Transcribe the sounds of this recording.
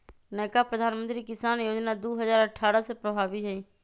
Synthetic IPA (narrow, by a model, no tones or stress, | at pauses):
neːkaːpɾəd̪ʱaːnmənt̪ɾiːkɪsaːnjoːd͡ʒnaːd̪uːɦəzaːɾəʈʰːaːɾaːsepɾəbʱaːʋiːd͡ʒaiː